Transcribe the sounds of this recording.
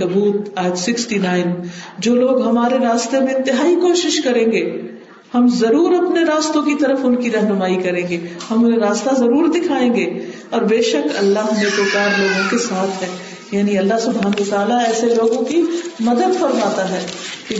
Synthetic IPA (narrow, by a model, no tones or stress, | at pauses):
ɐbuːt̪aːjət̪sɪksʈinaːɪnd͡ʒoːloːɡɦɐmaːɾeɾaːst̪emẽɪ̃nt̪ɪɦaːikoːʃɪʃkɐɾẽːŋɡeː | hɐmzɐɾuːɾɐpneɾaːst̪õkit̪ɐɾəfʊnkiɾɐɦnʊmaːikɐɾẽːɡehɐmʊnẽɾaːst̪azɐɾuːɾd̪ɪkʰaːẽːŋɡeː | ɔːɾbeːʃəkɐ̰lːaɦnepoːkaːɾloːɡõkesaːt̪ʰɦɛː | jaːniɐlːaɦsʊbʱɦaːnɐʋɐt̪aːlaɛːseloːɡõkimɐd̪əd̪fɐɾmaːt̪aɦɛːki